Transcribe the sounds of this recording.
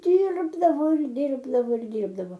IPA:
ˈdʲiːrbdɐʋoː ɪr ˈdʲiːrbdɐʋoː ɪr dʲiːrbdɐʋoː

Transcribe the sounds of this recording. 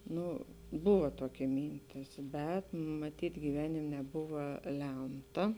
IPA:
ˈnʊ ˈbʊʋɐ ˈtoːkʲɛ ˈmʲiːnʲtʲɪs bʲɛt mɐˈtʲiːtʲ ɡʲiːˈʋʲæːnʲɪm nʲɛˈbʊʋɐ ˈlʲɛmtɐ

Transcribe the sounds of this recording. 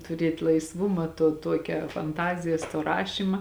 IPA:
tʊˈrʲiɛtʲ lˠɐɪsˈʋʊmɐ tuɔ ˈtuɔkʲɛ fɐnˈtɑːzʲɪjɛs toː ˈrɑːʃʲiːmɐ

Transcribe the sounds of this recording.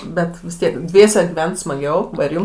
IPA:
ˈbʲɛt ʋʲɪs ˈtʲiɛk ˈdʲʋʲiɛsʲɛ ɡʲɪˈʋʲɛnt smɐˈɡʲɛʊ ˈʋɐ ɪr ˈjʊm

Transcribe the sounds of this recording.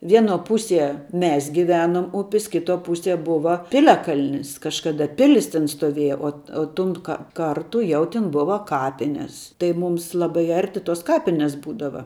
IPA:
ˈʋʲiɛnoː ˈpʊsʲiɛ ˈmʲɛs ɡʲɪˈʋʲæːnuɔm ˈʊpʲɪs ˈkʲɪtuɔ ˈpʊsʲiɛ ˈbʊʋɐ ˈpʲɪlʲɛkɐlʲnʲɪs kɐʃˈkɑːdɐ ˈpʲɪlʲɪs tʲɛn stoːˈʋʲiɛjɛ oː oː ˈtʊn kɐ ˈkɐrtʊ ˈjɛʊ ˈtʲɪn ˈbʊʋɐ ˈkɑːpʲɪnʲɛs tɐɪ ˈmuːms ˈlˠɑːbɐɪ ˈɐrʲtʲɪ toːs ˈkɑːpʲɪnʲɛs ˈbuːdɐʋɐ

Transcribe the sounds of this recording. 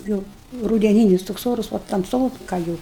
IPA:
ˈjuːʊ rʊdʲɛˈnʲiːnʲɪs toːks ˈoːrʊs ʋɐ tɐmˈsoːkɐ jɛʊ

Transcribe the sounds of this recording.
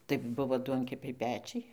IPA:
tɐɪ ˈbʊʋoː ˈduɔŋʲkʲɛpʲɛɪ ˈpʲæːt͡ʃʲɛɪ

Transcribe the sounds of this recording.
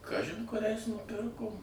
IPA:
ˈkɑːʒʲɪn kʊˈrʲɛɪs nʊˈpʲɪrkoːm

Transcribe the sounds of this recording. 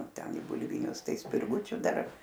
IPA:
ˈtʲɛn ɪ bʊlʲˈʋʲɪnʲʊs ˈtɐɪ sʲpʲɪrˈɡʊt͡ʃʲʊ ˈdɐr

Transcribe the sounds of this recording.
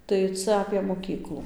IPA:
tɐɪ ˈt͡sɐ ɐpʲeː moːˈkʲiːklˠʊ

